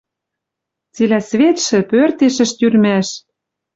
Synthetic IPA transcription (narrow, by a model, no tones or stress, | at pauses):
t͡silæsvet̪ʃɘ̆pørt̪eʃə̆ʃt̪yrmæʃ